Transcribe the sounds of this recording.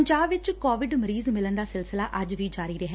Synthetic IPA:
əɲd͡ʒaːbʋɪt͡ʃkɔːʋɪɖməɾiːzmɪlənd̪aːsɪlsɪlaːʔəd͡ʒʋiːd͡ʒaːɾiːɾəɦɛː

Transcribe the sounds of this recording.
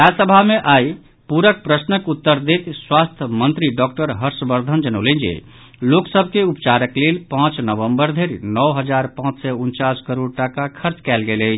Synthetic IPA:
ɾasəbʱameʔaj | puɾək̚pɾəsnəkut̪ːəɾd̪et̪swast̪ʰəmənt̪ɾiɖɔk̚ʈəɾɦəɾsbəɾd̪ʱənd͡ʒənəwlend͡ʒḛ | loksəbʱkeupt͡ʃaɾəklelpãt͡ʃnəʋəmbəɾd̪ʱeɾinɔwɦəd͡ʒaɾpãt͡ʃsɛunt͡ʃaskəɾoɽʈakakʰəɾt͡ʃkɛlɡeləjt͡ʃʰ

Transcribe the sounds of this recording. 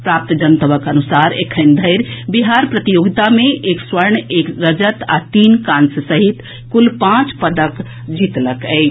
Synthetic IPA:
pɾap̚t̪d͡ʒənt̪əbəkənusaɾḛkʰənd̪ʱəɪɾbiɦaɾpɾət̪ijoɡit̪ameʔekswəɾɳekɾəd͡ʒət̪a̰t̪inkansəsəɦit̪ | kulpãt͡ʃpəd̪ək | d͡ʒit̪ləkɛ̰ɪ

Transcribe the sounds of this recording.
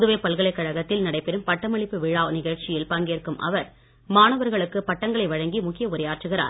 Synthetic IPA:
ðɯʋeːpɐlɣɐɭɐɪkːɐɻɐɣɐt̪ːɪlnɐɽɐɪpɛɾɯmpɐʈːɐmɐɭɪpːɯʋɪɻaːnɪɣɐɻt͡ʃɪjɪlpɐŋɡeːrkɯmʔɐ̰ʋɐɾ | maːɳɐʋɐɾɣɐɭɯkːɯpɐʈːɐŋɡɐɭɐɪʋɐɻɐŋɡimʊkːɪjɐʊɾɐjaːrʈrɯɣɪra̰ːɾ

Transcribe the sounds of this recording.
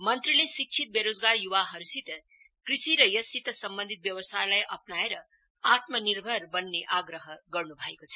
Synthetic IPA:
mʌnt̪ɾilesik̚t͡sʰit̪̚beɾod͡zɡaɾjuwaɦʌɾusit̪ | krisiɾʌjʌsit̪sʌmbʌnd̪ʱit̪̚bjʌwʌsajlajʔʌpnaeɾʌ | at̪mʌniɾbʱʌɾbʌnːeʔaɡɾʌɦʌɡʌrnubʱʌekot͡sʰʌ̥

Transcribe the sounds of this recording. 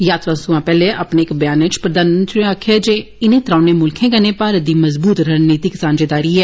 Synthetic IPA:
jaːt̪ɾasʊãːpɛːleʔapneɪkbjaːnɪt͡ʃpɾəd̪aːnmənt̪ɾiaːkʰeːd͡ʒeː | ɪnẽːt̪ɾaːneːmʊlkʰẽːɡəneːpaːɾəd̪iːməzbuːt̪ɾəniːt̪ikɪsaːnd͡ʒeːd̪aːɾiːɛː

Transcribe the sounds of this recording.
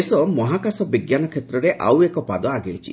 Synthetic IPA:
esɔmɔɦakasɔbiɡjanɔkʰet̪ɾɔɾeʔa̰wekɔpad̪ɔaɡejt͡ʃʰḭ

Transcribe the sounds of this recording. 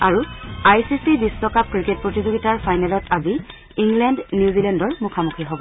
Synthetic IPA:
aɹuajsisibisːɔkap̚kɹiket̚pɹotizoɡitaɹfajnɛlɔtʰazi | iŋɡlɛndnjuzilɛndɔɹmukʰamukʰiɦobɔ

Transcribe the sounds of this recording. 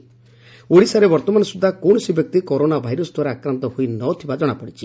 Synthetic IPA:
oɽisaɾebɔɾt̪ɔmanɔsud̪ʱːakɔwɳɔsibjɔk̚t̪ikɔɾonabʱajɾɔsɔd̪ʱwaɾeakɾant̪ɔhojnɔt̪ʰibad͡ʒɔɽ̃apɔɽit͡ʃʰi̥

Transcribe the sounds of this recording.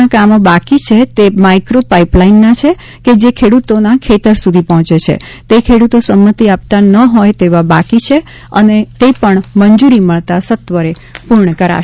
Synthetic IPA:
akamobakit͡ʃʰet̪emaikɾopaiplainːat͡ʃʰe | ked͡ʒekʰeɽut̪onakʰet̪əɾsud̪ʱipɔɦɔ̃t͡ʃet͡ʃʰḛ | t̪ekʰeɽut̪osəmːət̪iap̚t̪anəɦojt̪eʋabakit͡ʃʰe | ə̰net̪epəɳməɲd͡ʒuɾiməɭt̪asət̪ʋəɾepuɾɳəkəɾa̰

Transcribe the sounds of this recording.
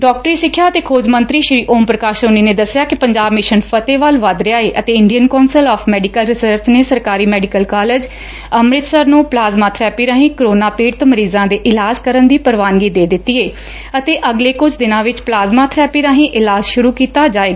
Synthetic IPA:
ɖɔːk̚ʈɾiːsɪkʰːjaːət̪eːkʰoːd͡ʒmənt̪ɾiːʃɾiːʔoːmpɾəkaːʃoːniːneːd̪əsɪjaːkɪpəɲd͡ʒaːbmɪʃənpʰət̪eːʋaːlʋad̪ɾɪjaːeːʔət̪eːɪɳɖijənkɔːnsəlɔːpʰmɛːɖɪkəlɾɪsəɾt͡ʃneːsəɾkaːɾiːmɛːɖɪkəlkaːled͡ʒ | əmɾɪt̪səɾnũːplaːzmaːt̪ʰɾɛːpiːɾaːɦĩːkɾoːnaːpeːɖt̪õːməɾiːzãːd̪eːʔɪlaːzkəɾənd̪iːpəɾʋaːnɡiːd̪eːd̪ɪt̪ːiːeː | ət̪eːʔəɡleːkʊd͡ʒʰd̪ɪnãːʋɪt͡ʃplaːzmaːt̪ʰɾɛːpiːɾaːɦĩːʔɪlaːzʃʊɾuːkiːt̪aːd͡ʒaːeːɡaː

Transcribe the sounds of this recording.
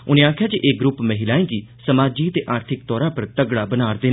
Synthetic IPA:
ʊnẽːaːkʰːjaːd͡ʒeʔeːɡɾʊpməɦɪlaːẽːki | səmaːd͡ʒiːət̪eːʔaːɾt̪ʰɪk̚t̪ɔːɾaːpəɾt̪əɡɽaːbənaːɾd̪eːn

